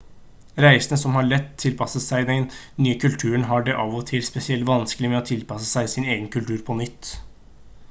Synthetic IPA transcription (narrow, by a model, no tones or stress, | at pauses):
ɾæɪsənəsɔmhɑɭɛt̪ːt̪ʰːɪlpʰɑsəsæɪd̪ɛnnyːəkʰʉlt̪ʰʉːəɳɦɑɖɛʔɑʋɔt̪ʰɪlspɛsɪɛlt̪ʋɑnsklɪmɛɔt̪ʰɪlpɑsəsæɪsɪneːɡənkʰʉlt̪ʰʉːɾpʰɔnʏt̪ː